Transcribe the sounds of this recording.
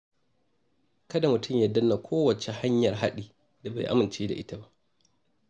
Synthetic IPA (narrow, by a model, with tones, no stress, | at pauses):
kɐ˦da˨mʊ˨tʊ˦˨mjɐ˨dːɐ˦nːa˨kʷʰoː˦wɐ˨t͡ʃe˨ha˦ɲjɐ˨rɦa˦ɗiː˦˨ | da˨ba̰˨jʔa̰˦mɪ˨nt͡ʃeː˦da̰˨ʔɪ˦ta˦ba˦ʔ